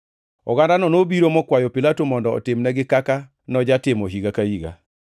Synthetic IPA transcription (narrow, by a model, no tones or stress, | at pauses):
ɔɡandanɔnobiɾomɔkwajopilatomɔndɔ̰ːtɪmnɛɡɪkaka | nɔd͡ʒatɪmɔɦiɡakahiɡa̰